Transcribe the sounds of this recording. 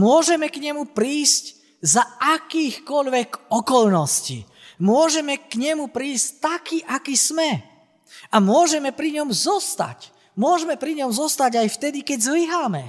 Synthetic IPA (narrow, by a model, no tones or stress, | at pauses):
mʊɔʒɛmɛkɲɛmupɾiːsc | zaakiːxkɔʎʋɛɡɔkɔlnɔscḭ | mʊɔʒɛmɛkɲɛmupɾiːsct̪akiʔakismɛ | amʊɔʒɛmɛpɾiɲɔmzɔst̪a̰c | mʊɔʒɛmɛpɾiɲɔmzɔst̪aɟajft̪ɛd̪ikɛɟzliɦaːmɛ